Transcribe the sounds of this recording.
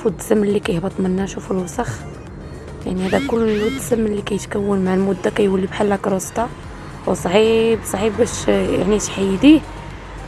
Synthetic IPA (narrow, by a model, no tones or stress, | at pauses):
fud̪səmːəlːikæjhbɑt̪ˤmənːæʃufulwsɑx | jaʕnihæd̪ækʊlːd̪səmːəlːikæjət̪kæwːənmaʕalmʊd̪ːakæjwælːibħalːækɾˤɑst̪ˤɑ̰ | wsˤʕibsˤɑʕibbæʃa̰ʕniʃħajd̪i